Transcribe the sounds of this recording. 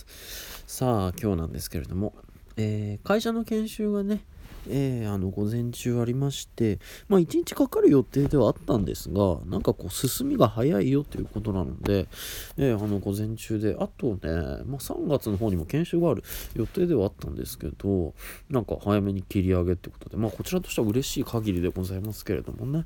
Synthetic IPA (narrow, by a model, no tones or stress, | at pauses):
saːkʲo̞ːnã̰nd̪e̞sɨ̥ke̞ɾe̞̰d̪o̞mo̞ | eːkaiɕano̞kẽ̞ɰ̃ɕɨːɡane̞eːano̞ɡo̞zẽ̞ɲ̟t͡ɕɨːaɾʲimaɕi̥t̪e̞maːit͡ɕiɲ̟it͡ɕi̥kakaɾɯ̟jo̞t̪e̞ːd̪e̞βaːt̪ːãnd̪e̞̰sɨɡa̰nã̰ŋkako̞ːsɨsɨmʲiɡahajaijo̞t̪ːe̞jɯ̟ko̞t̪o̞nano̰d̪e̞eːano̞ɡo̞zẽ̞ɲt͡ɕɨːd̪e̞ʔat̪o̞nḛmaːsã̰ŋɡat͡sɨno̞ɦo̞ːɲ̟imo̞kẽ̞ɰ̃ɕɨːɡaːɾɯ̟jo̞t̪e̞ːd̪e̞βaːt̪ːãnd̪e̞̰sɨ̥ke̞̰d̪̥o̞nãŋka̰hajame̞ɲ̟ikʲiɾʲiaɡe̞t̪eiɯkot̪od̪e̞maːko̞t͡ɕiɾat̪o̞ɕt̪eβaɯ̟ɾe̞ɕiːkʰaɡʲiɾʲid̪e̞ɡo̞zaimasɨ̥ke̞ɾe̞̰d̪o̞̰mo̞̰ne̞